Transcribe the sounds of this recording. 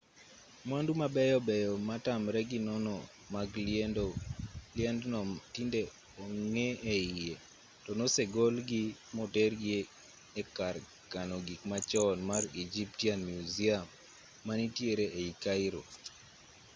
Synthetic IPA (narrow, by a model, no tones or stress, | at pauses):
mwandumabɛjɔbɛjɔmatamɾɛɡinɔnɔ | maɡd | lɪɛndnɔtinde | ɔŋeeie | tɔnɔsɛɡolɡimɔtɛɾɡeː | kar | kanɔɡikmat͡ʃɔnmarid͡ʒip̚tianmjuziamː | anitjeɾeʔeikaiɾo̰